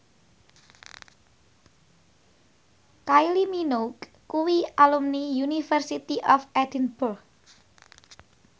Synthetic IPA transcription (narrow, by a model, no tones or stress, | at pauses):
kajliminok | kːuwialumnijunifərsit̪iʔɔfɛdinburx